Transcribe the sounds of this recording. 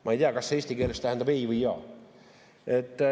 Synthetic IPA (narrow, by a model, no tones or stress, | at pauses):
mʔɑejt̪iɑkɑsːeeːst̪ikeːlest̪æhænd̪ɑbejvɯjjɑ̰ː | et̪ːˑ